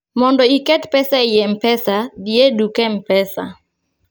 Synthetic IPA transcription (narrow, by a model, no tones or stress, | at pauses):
mɔndɔikɛtpɛsajɛmpɛsadiedukɛm̩pɛsa̰